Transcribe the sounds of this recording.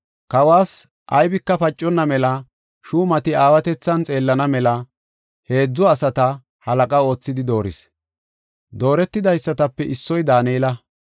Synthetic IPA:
kɐwaːs | ʔɐjbɪkːɐfɐt͡ʃʼːɔnːɐmɛlɐ | ʃuːmɐt̪ɪaːwɐt̪ɛt͡sːɐnt͡sʼe̞ːlːɐnɐmɛlɐ | he̞ːd͡zːɔɐsɐt̪ɐ | hɐlɐkʼɐo̞ːt͡sːɪd̪ɪd̪o̞ːɾɪ̰s | d̪o̞ːɾɛt̪ːɪd̪ɐjsːɐt̪ɐpːɛʔɪsːɔjd̪aːneːlɐ

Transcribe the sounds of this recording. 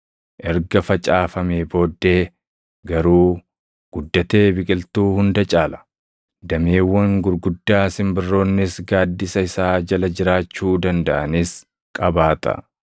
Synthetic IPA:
ʔɛɾɡɐfɐt͡ʃʼaːfɐmeːbo̞ːd̪ːe̞ː | ɡɐɾuː | ɡ̥ʊd̪ːɐt̪e̞ːbɪkʼɪlt̪uːhʊnd̪ɐt͡ʃʼaːlɐ̥ | d̪ɐmeːwːɐŋɡʊɾɡʊd̪ːaːsɪmbɪrːo̞ːnːɪsɡaːd̪ːɪsɐɪsaːd͡ʒɐlɐd͡ʒɪɾaːt͡ʃːuːd̪ɐnd̪ɐʔɐnis | kʼɐbaːt̪ɐ̰

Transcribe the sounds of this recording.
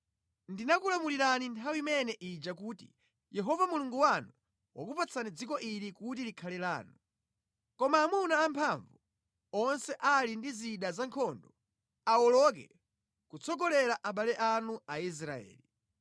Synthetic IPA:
ndinakulamuliɾanintʰawimɛnɛʔid͡ʒak̬uːtḭ | jɛɦɔvamuluŋɡuwanu | wʔa̰kupat͡sʰanid͡zikɔʔiɾikut̬ilikʰalɛla̰ːnu | kɔmaːmunaːmpʰaɱvu | ɔnsɛʔalindiziɗazaŋkʰɔndɔ | awɔlɔk̬ɛ̰ | kut͡sʰɔɡɔlɛɾaʔaɓalɛʔanuais̬ɾa̰ɛ̰ːli

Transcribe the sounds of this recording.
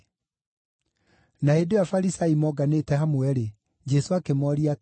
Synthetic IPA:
nahedoafaɾisaimɔɡanetɛɦamwɛɾe | d͡ʑɛsoakemɔɾia

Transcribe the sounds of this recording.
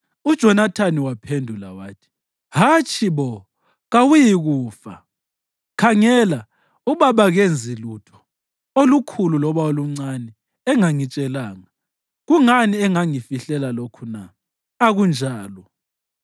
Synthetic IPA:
ud̥ʒ̥ʱɔnatʰaniwapʰendʱulawaːtʰi̥ | hat͡ʃʼʰiβɔ | ɣawujiɣuːfa̰ | kʰaŋɛla | uβaβaɣend͡zʱilutʰɔ̥ | olukʰululɔβaolum̩ŋ͡ǀanɛ | ɛŋaŋit͡ʃʼɛlaːŋa | ɣuŋaniɛŋaŋifiɬɛlalokʰuna̰ | aɣund͡ʒʱaːlɔ

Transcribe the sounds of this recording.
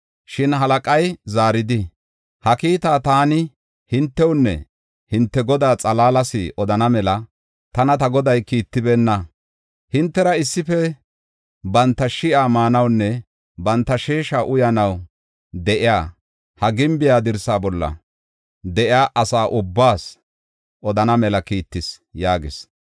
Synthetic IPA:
ʃɪnɦɐlɐkʼɐjzaːɾɪd̪ɪ | hɐkiːt̪aːt̪aːnɪ | hɪnt̪ːɛwʊnːɛ̰ | hɪnt̪ːɛɡɔd̪aːt͡sʼɐlaːlɐsɪʔɔd̪ɐnɐmɛlɐ | t̪ɐnɐt̪ɐɡɔd̪ɐjkiːt̪ːɪbɛːnːɐ | hɪnt̪ːɛɾɐɪsːɪfɛ | bɐnt̪ːɐʃɪʔaːmaːnɐwnːɛ | bɐnt̪ːɐʃeːʃaːʔʊjɐnɐw | d̪ɛʔɪjaː | hɐɡɪmbɪjaːd̪ɪɾsaːbɔlːɐ̰ | d̪ɛʔɪjaːʔɐsaːʔʊbːaːs | ʔɔd̪ɐnɐmɛlɐkiːt̪ːɪs | jaːɡɪs

